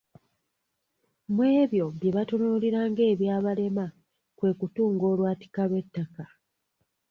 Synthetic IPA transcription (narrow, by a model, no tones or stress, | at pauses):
mwe̞ːβjo̞βje̞βatonoliɾaːŋɡe̞ːβjaːβale̞ma | kwe̞ːkutuːŋɡo̞ːlwaːti̥kaβe̞tːaka